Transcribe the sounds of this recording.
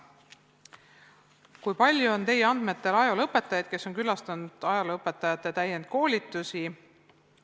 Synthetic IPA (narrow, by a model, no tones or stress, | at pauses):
kujpɑlʲjuont̪e̞jeɑnd̪̥me̞t̪ːˑe̞lɑjolɤpːˑe̞t̪ːˑɑjɑd̪̥̚ke̞so̞ŋkylɑst̪ɑnud̪̥ɑjɑlɤpːˑe̞t̪ːˑɑjɑt̪ˑːe̞t̪æjend̪̥̚ko̞ːlʲit̪ːˑusi